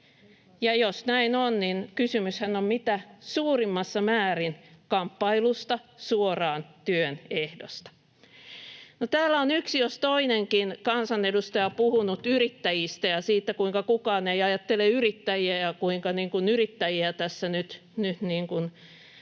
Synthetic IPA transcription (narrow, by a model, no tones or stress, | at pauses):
jɑjosnæinonninkysymyshænommit̪æsuːrimːɑsːɑmæːrinkɑmpːɑilust̪ɑsuorɑːnt̪yønehdo̰st̪ɑ̥ | not̪æːlːæonyksijost̪oineŋkinkɑnsɑnedust̪ɑjɑpuhunut̪yrit̪ːæjist̪æjɑsiːt̪ːækuiŋkɑkukɑːneiɑjɑt̪ːeleyrit̪ːæjiæjɑkuiŋkɑniːŋkunyrit̪ːæjiæt̪æsːænyt̪ | nyt̪niːŋkun